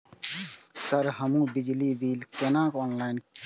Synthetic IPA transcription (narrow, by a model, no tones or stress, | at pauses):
səɾɦəmũbid͡ʒlibiːlkenakɔːnlaɪnk